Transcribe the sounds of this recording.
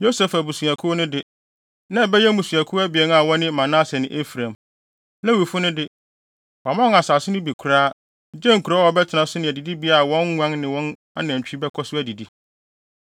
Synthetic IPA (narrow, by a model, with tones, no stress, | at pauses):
jo˦sɛ˨fæ˨bu˨su˨a˨kʰu˦nʊ̃˦dɪ˦ | nã˦˨bɛ˦jɛ˦mũ˨su˨æ˨kʰʊ˦æ˦bɪ˨ɛ˦n˦a˨wɔ̃˦nɪ̃˦˨mã˨nã˦sɛ˨nɪ̃˨ʔe˦fɾã˨m | nã˦wi˨fʊ˦nʊ̃˦dɪ˦ | wa˨mã˦˨a˨saː˨sɪ˦nʊ̃˦bi˨kʰu˨˦ɾaː˦˨˦ | d͡ʑɛ˦ŋ̩˨kʰu˨ɾa˦wɔ˨˦bɛ˦tʰɪ˨nã˨sʊ˦nɪ̃˨di˨di˦bi˦a˨wɔ̃˦nːʷã˦nnɪ̃˨wɔ̃˦n | a̰˦nã˨ɲ˨t͡ɕᶣi˦bɛ˦kʰɔ˦sʊ˦æ˦˨di˨di˦